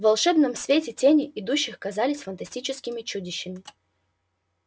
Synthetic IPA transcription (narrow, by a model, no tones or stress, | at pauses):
vɐlˠʂɛbnəmsvʲetʲɪtʲenʲɪʔɪd̪uɕːɪxkɐzalʲɪsʲfənt̪ɐsʲtʲit͡ɕɪskʲɪmʲɪt͡ɕudʲɪɕːɪmʲɪ